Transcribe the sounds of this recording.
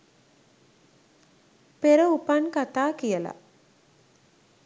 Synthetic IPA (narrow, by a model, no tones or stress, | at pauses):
peɾəupankat̪aːkijəla̰